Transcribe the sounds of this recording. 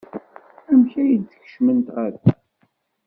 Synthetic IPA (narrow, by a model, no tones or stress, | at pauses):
æmçæjid̪θəçə̥ʃmənt̪ʁæɾ